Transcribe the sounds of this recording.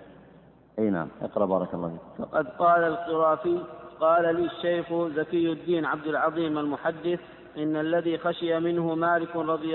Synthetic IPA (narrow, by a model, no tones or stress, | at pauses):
ʔeːna̰ʕamʔɪ̰qɾˤɑbɑːɾˤɑkɑlˤːɑ̰ːfiːkfɑ̰qɑd̪qɑːlalqʊɾˤɑːfiqɑːlaliːʃːajxzakɪjːʊd̪ːiːnʕab̚d̪alʕɑðˤiːmalmʊħad̪ːɪθ | ʔɪnːalːaðiːxaʃɪjamɪnhʊmaːlɪkɾˤɑd̪ˤɪ